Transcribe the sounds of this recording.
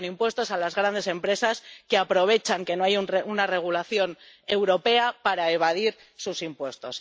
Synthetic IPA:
nimpwe̞st̪o̞salazɣɾand̪ese̞mpɾe̞saske̞apɾo̞β̞e̞t͡ʃaŋke̞noajunare̞ɣ̞ulaθjo̞ne̞wɾo̞pe̞apaɾaeβ̞aðiɾ | susimpwe̞st̪o̞s

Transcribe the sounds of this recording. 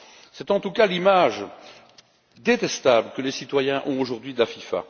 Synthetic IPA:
sɛt̪ɑ̃t̪ukalimaʒ | d̪et̪ɛst̪abləkəlesit̪wajɛ̃ʔɔ̰̃oʒuʁd̪ɥid̪əlafifa̰

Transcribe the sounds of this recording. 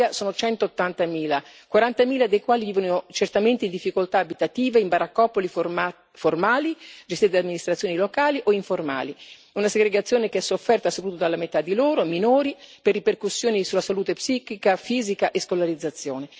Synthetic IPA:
asoːnot͡ʃɛnt̪oːt̪ːant̪amiːla | kwaɾant̪amiːlad̪ejkwaːliviːvonot͡ʃert̪ament̪eind̪ifːikolt̪aːbit̪at̪iːveimbaɾakːɔpːoli | formaːlid͡ʒest̪it̪d̪amːinist̪ɾat̪sːjoːnilokaːliʔoiɱforma̰ːli | unaseɡɾeɡat̪sːjoːnekeɛsːofːɛrt̪asopɾut̪od̪alːamet̪ad̪ːiloːɾominoːɾiperːiperkusːjoːnisulasaluːt̪epsiːkikafiːzikaʔeskolaɾid̪zːat̪sːjo̰ːne

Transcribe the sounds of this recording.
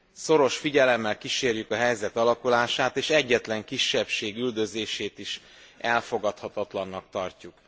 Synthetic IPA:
so̞ɾo̞ʃfiɟɛlɛmːɛlkiʃeːrjykɒɦɛjzɛt̪ɒlɒkulaːʃaːt̪eːʃɛɟːɛt̪lɛŋkiʃːɛpʃeːɡyld̪ø̞zeːʃeːt̪iʃ | ʔɛlfo̞ɡɒt̪hɒt̪ɒt̪lɒnːɒkt̪ɒrcuk

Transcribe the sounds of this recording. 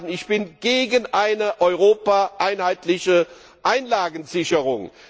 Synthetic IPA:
n̩ɪçb̥ɪnɡ̥eːɡənʔaɪnəʔɔʏʁoːpaʔaɪnhaɪtlɪçə | ʔaɪnlaːɡənzɪçəʁʊŋ

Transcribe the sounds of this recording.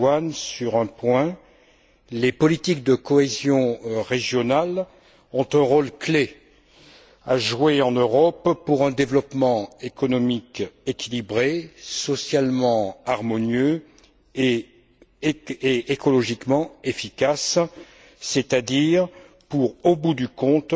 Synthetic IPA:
ansyʁɛ̃pwɛ̃ | lepɔlit̪ik̚d̪əkɔezjɔ̃ʁeʒjɔnal | ɔ̃t̪ɛ̃ʁolkle | aʒweɑ̃nøʁɔppuʁɛ̃d̪evlɔpmɑ̃ekɔnɔmikekʲʰilibʁesɔsjalmɑ̃aʁmɔnjø | e | eekɔlɔʒikmɑ̃efikasː | et̪ad̪iʁ | puʁobud̪ykɔ̃t̪

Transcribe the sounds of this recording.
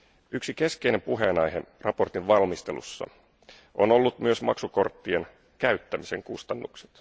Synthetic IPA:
ʔyksike̞ske̞jne̞mpuɦe̞nɑjɦerɑpo̞rt̪iʋʋɑlmist̪e̞̰lṵsːɑ̰ | ʔono̞lːut̪myøsmɑ̰ksuko̞rt̪ːien | kæyt̪ːæmise̞̰ŋkust̪ɑnːukse̥t̪

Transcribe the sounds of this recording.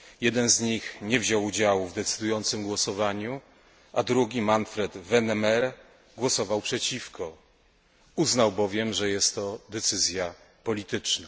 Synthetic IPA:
jɛd̪ɛnzɲixɲɛvʑawud͡ʑawuvd̪ɛt̪sɘd̪ujɔnt̪sɘmɡwɔsɔvaɲu | ʔad̪ɾuɡʲimanfɾɛd̪vɛnɛmɛɾ | ɡwɔsɔvawpʂɛt͡ɕifkʰɔ | uznawbɔvʲjɛmʐɛjɛst̪ːɔd̪ɛt̪sɘzʲja | pɔlʲit̪ɘt͡ʂna

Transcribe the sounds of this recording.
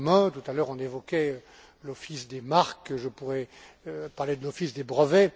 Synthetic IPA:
mɛ̃t̪ut̪alœʁɔ̃nevɔkʲɛø | lɔfisd̪emaʁkʒəpuʁɛ | paʁled̪əlɔfisd̪ebʁəvɛ

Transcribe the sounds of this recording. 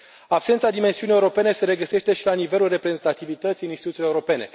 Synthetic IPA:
apsent̪sad̪imensiunije̞uɾo̞pe̞ne̞se̞ɾe̞ɡəse̞ʃt̪e̞ʃilanive̞lulre̞pɾe̞ze̞nt̪at̪ivit̪ət̪sijɨninst̪it̪ut̪ileuɾo̞pe̞ne̞

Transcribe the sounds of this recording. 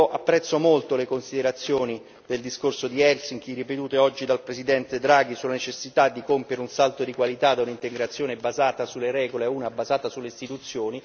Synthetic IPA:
ʔapːɾɛt̪sːomolt̪olekonsid̪eɾat̪sːjoːni | d̪̥eld̪iskorsod̪iɛlsiŋkirːipet̪uːt̪eɔd͡ʒːid̪alpɾezid̪ɛnt̪ed̪ɾaːɡisulanet͡ʃesːit̪ad̪ːikompjeɾeunsalt̪od̪ikwalit̪ad̪aunint̪eɡɾat̪sːjoːnebazaːt̪asulːeɾɛːɡoleuːnabazaːt̪asulːeist̪it̪ut̪sːjoːni

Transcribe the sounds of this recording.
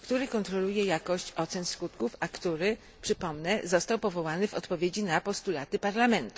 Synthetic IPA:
kt̪uɾɘkɔnt̪ɾɔlujɛjakɔɕt͡ɕɔt̪sɛnskut̪kufakt̪uɾɘ | pʂɘpɔmnɛzɔst̪awpɔvɔwanɘvɔ̰t̪pɔvʲjed͡ʑinapɔst̪ulat̪ɘpaɾlamɛnt̪u̥

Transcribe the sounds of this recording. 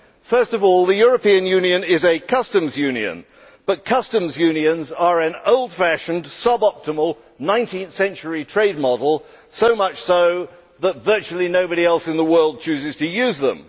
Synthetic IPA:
fɜ˞stʌvɔlˠðɨjʊɹɨpĩɨ̃njʉ̃niɨ̃nɪzɨkʰʌstɨ̃mzjʉ̃njɨ̰̃n | b̥ʌt̚kʰʌstɨ̃mzjʉ̃niɨ̃nzə˞ɨ̃noʊlˠd̥fæʃɨ̃n̩dsʌbɑp̚təməl̩ˠ | nãɪ̃ntʰĩnθsɛ̃nt͡ʃə˞itʰɹ̥eɪd̚mɑɾl̩ˠ | soʊmʌt͡ʃsoʊ | ðətvɜ˞t͡ʃʉl̩ˠinoʊbɨɾiɛlˠsɨ̃nðəwɜ˞lˠd̚t͡ʃʰʉzɨz̥tʰɨjʉzðə̰̃m

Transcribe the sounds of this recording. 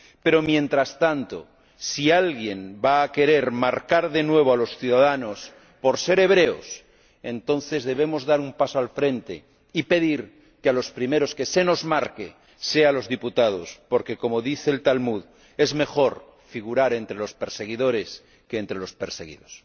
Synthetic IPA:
pe̞ɾo̞mjẽ̞nt̪ɾast̪ant̪o̞̰ | sialɣje̞nbaːke̞ɾe̞ɾmaɾkaɾðe̞nwe̞β̞oalo̞sθjuðaðano̞s | po̞ɾse̞ɾe̞β̞ɾe̞o̰s | e̞nt̪õ̞nθe̞zðe̞β̞e̞mo̞zðaɾumpasoalfɾẽ̞nt̪e̞̰ | ipe̞ðiɾ | kealo̞spɾime̞ɾo̞ske̞se̞no̞zmaɾke | se̞alo̞zðiput̪að̞o̞̰spo̞ɾke̞ko̞moðiθeːlt̪almuð | e̞zme̞xo̞ɾ | fiɣ̞uɾaɾe̞nt̪ɾe̞lo̞spe̞ɾse̞ɣ̞iðo̞ɾe̞s | keːnt̪ɾe̞lo̞spe̞ɾse̞ɣḭðos

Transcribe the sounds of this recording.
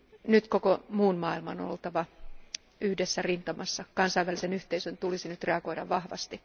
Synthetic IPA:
nyt̪kokomuːnmɑːilmɑ̰no̰olt̪ɑʋɑ | yhdesːærint̪ɑmɑsːɑkɑnsɑiʋælisenyht̪eisønt̪ulisinyt̪reɑɡo̞idɑ̰ʋʋɑhʋɑ̰st̪i

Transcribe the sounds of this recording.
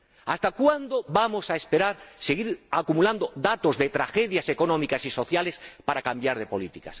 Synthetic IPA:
ast̪akwand̪oβamo̞saespe̞ɾaɾseɣiɾakumuland̪oðat̪o̞zðe̞t̪ɾaxe̞ðjase̞ko̞nõ̞mikasiso̞θjale̞spaɾakambjaɾðe̞po̞lit̪ikas

